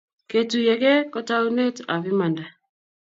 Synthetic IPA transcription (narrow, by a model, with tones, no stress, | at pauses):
ke˨tu˨jɛ˨kɛ˦kɔ˦ta˦u˦ne˦ta˨βi˦ma˨nda˨